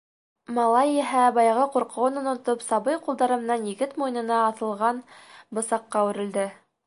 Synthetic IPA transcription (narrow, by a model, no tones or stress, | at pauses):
mɑlˠɑjiɦæbɑjɑʁɤquɾqɤ̆ʁonŏnŏt̪opsɑβɤjqulˠd̪ɑɾɤ̆mɤ̆nɑnjɘ̆ɡɘt̪mujɤ̆nɤ̆nɑːθɤ̆lˠʁɑnbɤ̆sɑqːɑwʉ̆ɾɘ̆ld̪ɘ